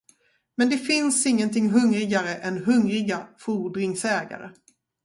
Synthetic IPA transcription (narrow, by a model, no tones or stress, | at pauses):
mɛnd̪ɛfɪnsɪŋːənt̪ʰɪŋːɦɵŋɾɪɡaɾəʔɛnɦɵŋɾɪɡafuːɖɾɪŋsɛːɡa̰ɾə̰